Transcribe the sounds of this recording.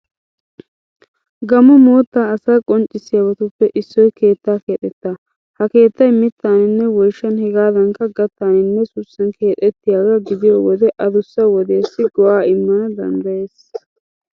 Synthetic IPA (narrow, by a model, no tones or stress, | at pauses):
ɡɐmʊmoːt̪ːaːɐsɐjkʼɔnt͡ʃʼːɪsːɪjɐbɐt̪ʊpːɛʔɪsːɔjke̞ːt̪ːaːke̞ːt̪ʼːɛt̪ːaː | hɐke̞ːt̪ːɐjmɪt̪ːaːnɪnːɛwɔjʃːɐnhɛɡaːd̪ɐŋkɐɡɐt̪ːaːnɪnːɛsʊsːɐnke̞ːt̪ʼːɛt̪ːɪjaːɡɐɡɪd̪ɪjoːwɔd̪ɛʔɐd̪ʊsːɐwɔd̪eːsːɪɡɔwaːɪmːɐnɐd̪ɐ̰nd̪ɐjeːs